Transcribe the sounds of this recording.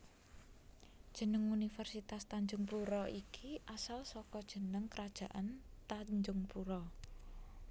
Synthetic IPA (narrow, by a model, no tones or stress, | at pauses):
d̥ʒ̥ə̤nəŋunifɛrsit̪ast̪aɲd͡ʒʊŋpuɾɔikʰiʔasalsɔkɔd̥ʒ̥ə̤nəŋkəɾad̥ʒ̥a̤ʔant̪aɲd͡ʒʊŋpuɾɔ